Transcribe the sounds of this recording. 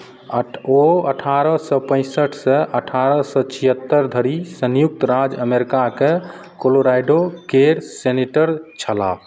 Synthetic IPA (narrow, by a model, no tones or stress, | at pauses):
oəʈʰaɾəsɔpə̃ɪ̃səʈʰsɛʔəʈʰaɾəsɔt͡ʃʰiɦət̪ːəɾd̪ʱəɾisənjuk̚t̪ɾad͡ʒəmeɾikake | koloɾajɖokeɾseniʈəɾt͡ʃʰəla̰b